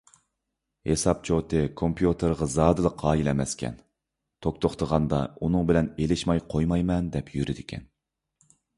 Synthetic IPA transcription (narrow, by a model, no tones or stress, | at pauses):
hesɑp̚t͡ʃʰot̪ʰɨkʰompʰjut̪ʰəɾʁɑzɑːd̪ɨlˠəqʰːɑːjilɛmɛskʲʰɛ̰n | t̪ʰokt̪ʰoχt̪ʰəʁɑnd̪ɑunɨŋbɪlɛnelɪʃmɑjqʰojmɑjmɛnd̪ɛpʰjyɾɪd̪ɪkʲʰɛ̰n